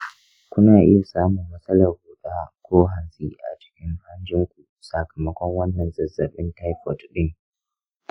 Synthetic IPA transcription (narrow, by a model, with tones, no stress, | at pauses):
kʷʊ˦naː˨ʔɪ̰˦ja˨saː˦mʊ˨mːɐ˦sʼɐ˦lɐ˨rhu˨ɗaː˦kʷoː˦ɦa˨nsʼiː˦ʔa̰˨t͡ʃɪ̥˦kʲɪ˦ŋha˦nd͡ʒɪ˦ŋkʷu˨ | sɐ˨kɐ˨mɐ˦kʷɔ˦ŋwɐ˦nːɐ˨nzɐ˨zɐ˨ɓɪ˦nta˦jpɔ˨tɗɪ˦ŋ